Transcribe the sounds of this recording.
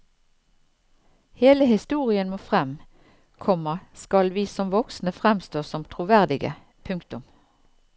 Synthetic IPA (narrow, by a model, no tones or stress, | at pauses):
heːləhɪst̪uːʁɪənmoːfʁɛm | kʰɔməskɑlʋiːsɔmʋɔksnəfʁɛmst̪oːsɔmt̪ʰʁʊʋæʁd̪ɪɡə̰ | pʰʉŋkt̪ʊm